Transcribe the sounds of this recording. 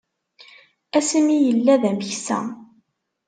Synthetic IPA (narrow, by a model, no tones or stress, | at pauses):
æsəmijəlːæðæməçsæ̰